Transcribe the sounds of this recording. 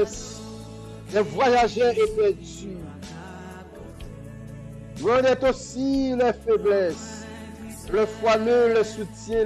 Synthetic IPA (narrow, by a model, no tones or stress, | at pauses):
lɛvwajaʒɛepɛt̪y | mɔ̃d̪ɛt̪osilɛfeblɛs | ləfwamøləsut̪jɛ̃